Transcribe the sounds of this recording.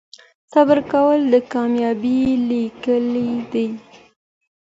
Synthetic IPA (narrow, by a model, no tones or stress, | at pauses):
sabəɾkawəld̪əkɑmjɑbilikəlid̪ij